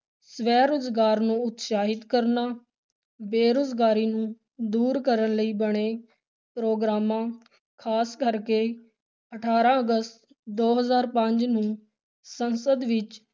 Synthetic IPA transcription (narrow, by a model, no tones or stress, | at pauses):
sʋɛːɾʊzɡaːɾnũːʊt̪ʃaːɦɪt̪kəɾnaː | beːɾʊzɡaːɾiːnũː | d̪uːɾkəɾənləiːbəɽeː | pɾoːɡɾaːmãː | kʰaːskəɾkeː | əʈʰaːɾãːəɡəst̪ | d̪oːɦəzaːɾpəɲd͡ʒnũː | sənsəd̪ʋɪt͡ʃ